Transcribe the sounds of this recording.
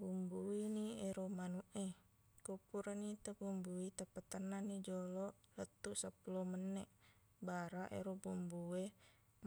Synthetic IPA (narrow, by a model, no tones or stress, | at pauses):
bumbuinieɾomanuʔe | kupuɾanit̪əbumbuit̪apət̪ənːanid͡ʒolɔʔlət̪ːuʔsapulomənːeʔ | baɾaʔḛɾobumbue